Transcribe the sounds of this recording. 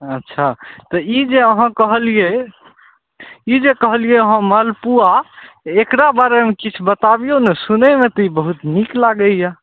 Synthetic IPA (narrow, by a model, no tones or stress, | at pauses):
ətːʃʰat̪ɔid͡ʒeəɦãkəɦəlije | id͡ʒekəɦəlijeəɦãməlpuaekɾabaɾemekit͡ʃʰbət̪abijonesunɛmet̪ɔibəɦut̪niklaɡəja